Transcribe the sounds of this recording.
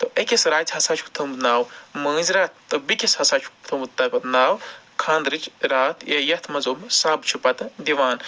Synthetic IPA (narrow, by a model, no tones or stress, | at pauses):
t̪oʔɐkʲesɾaːt̪ʰʲɦɐsaːt͡ʃʰukʰt̪ʰɐmunaːwmɐːzɾaːt̪̚ʰt̪ɨbikʲeshɐsaːt͡ʃʰu̥kt̪ʰɐmut̪ɐkɐt̪naːwkʰaːnd̪ɾɨt͡ʃʰɾaːt̪ʰjejɐt̪ʰmɐzoːmsaːbt͡ʃʰupɐt̪d̪iʋaːn